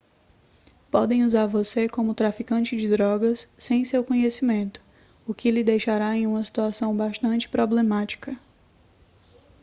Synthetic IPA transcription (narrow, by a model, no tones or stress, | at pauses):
pɔd̪ẽj̃uzaɾvosekõmʊt̪ɾafikɐ̃t͡ʃɪd͡ʒɪd̪ɾɔɡɐsːẽj̃sewkõɲesimẽnt̪ʊ̥ | ʊkɪlɪd̪ejʃaɾaẽj̃ũmɐsi̥t̪uasɐ̃w̃baʃt̪ɐ̃nt͡ʃɪ̥pɾoblemat͡ʃi̥kɐ